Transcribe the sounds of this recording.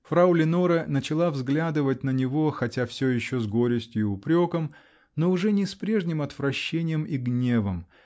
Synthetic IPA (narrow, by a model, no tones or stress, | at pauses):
fɾaʊlʲɪnoɾənət͡ɕɪlˠavzɡlʲæd̪ɨvət̚ʲnənʲɪvo̞xɐtʲafsʲojɪɕːozɡo̞ɾʲɪsʲtʲjʊɪʊpɾʲo̞kəm | noʊʐɛnʲɪspɾʲe̞ʐnʲɪmɐt̪vɾɐɕːenʲɪjəmiɡnʲe̞vəm